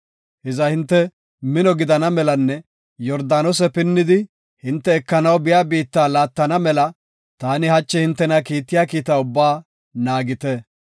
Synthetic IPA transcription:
hɛzɐhɪnt̪ːɛ | mɪnɔɡɪd̪ɐnɐmɛlɐnːɛ | jɔɾd̪aːnɔsɛpɪnːɪd̪ɪ | hɪnt̪ːɛːkːɐnɐwbɪjaːbiːt̪ːaːlaːt̪ːɐnɐmɛlɐ | t̪aːnɪhɐt͡ʃːɛhɪnt̪ːɛnɐkiːt̪ːɪjaːkiːt̪aʊbːaː | naːɡɪt̪ɛ

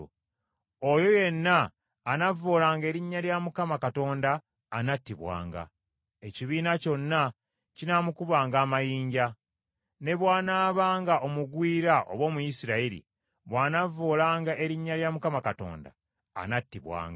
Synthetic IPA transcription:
ojo̞je̞nːaː | navːoːlaːŋɡe̞ːɾiɲːaljamukamakato̞ːndaː | natːiβwa̰ːŋɡa̰ | e̞ciβiːnaco̞nːa | cinamukuβaːŋɡaːmajiːɲɟa | ne̞βwaːnaːβaːŋɡaʔo̞muɡwiːɾaʔo̰βwo̞ːmujisiɾaiɾḭ | βwaːnavːoːlaːŋɡaʔe̞ɾiɲːaɾjamukamakato̞̰ːnda̰ː | natːiβwa̰ːŋɡ

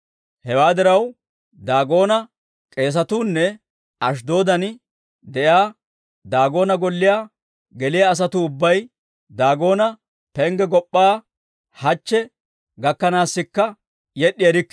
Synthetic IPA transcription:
hɛwaːd̪ɪɾɐw | d̪aːɡo̞ːnɐ | kʼe̞ːs̬ɐt̪uːnːɛ | ɐʃ̬d̪o̞ːd̪ɐn | d̪ɛʔjaː | d̪aːɡo̞ːnɐɡɔlːɪjaː | ɡɛlɪjaːs̬ɐt̪ʊʊbːɐj | d̪aːɡo̞ːnɐ | pɛŋɡɛɡɔpʼːaː | hɐt͡ʃːɛ | ɡɐkːɐnaːsːɪkːɐ | jɛɗːɪjɐɾɪkː

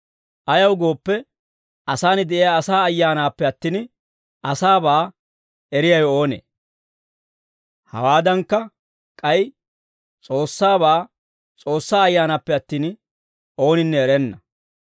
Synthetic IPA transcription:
ʔɐjɐwɡo̞ːpːɛ | ʔɐsaːnɪd̪ɛʔɪjaːsaːɐjːaːnaːpːɛɐt̪ːiːn | ʔɐsaːbaː | ɛɾɪjɐjo̞ːnḛː | hɐ̰waːd̪ɐŋkːɐ | kʼɐj | t͡sʼo̞ːsːaːbaː | t͡sʼo̞ːsːaːɐjːaːnaːpːɛɐt̪ːiːn | ʔo̞ːnɪnːɛɛɾɛnːɐ

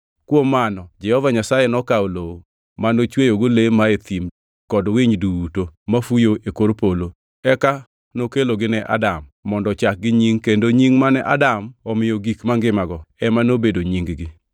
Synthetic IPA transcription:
kwomːanɔd͡ʒɛhɔvaɲasajɛnɔkaoloo | manot͡ʃwejoɡolemaet̪im | kɔdwɪɲduutomafujoʔekoɾpolo | ɛka | nokeloɡɪnɛʔa̰damːɔndɔt͡ʃak̚ɡɪɲiŋkendoɲiŋmanɛʔa̰damɔmɪjoɡikmaŋɡɪmaɡɔɛmanobedoɲiŋɡɡɪ

